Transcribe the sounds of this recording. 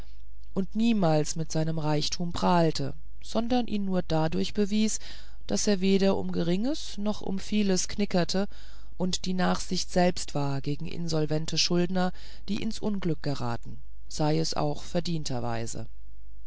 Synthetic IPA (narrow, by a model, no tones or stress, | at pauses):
ʔʊntniːmaːlsmɪtz̥aɪnəmʁaɪçtʰuːmpʁ̥aːltʰə | z̥ɔndɐnʔḭːnːuːɐdadʊɐçb̥əviːs | d̥aseːɐveːdɐʔʊ̰mɡəʁɪŋəs | nɔχʔʊ̰mfiːləsknɪkɐtʰə | ʔʊntd̥iːnaːχz̥ɪçtz̥ɛlpstv̥aːɐɡeːɡŋ̩ʔɪ̰nzɔlvɛntʰəʃʊldnɐ | d̥ḭːʔɪ̰nsʔʊnɡlʏk̚ɡ̥əʁa̰ːtn̩ | z̥aɪɛsʔa̰ʊxfɛɐdiːntʰɐ̰va̰ɪzə̰